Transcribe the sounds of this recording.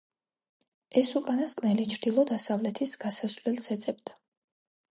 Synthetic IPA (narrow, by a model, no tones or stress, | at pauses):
ɛsukʼanaskʼnɛlit͡ʃʰɾd̪̥ilˠɔd̪asavlɛt̪ʰisɡ̥asazvlɛlsɛt̪sʼɛb̚d̪a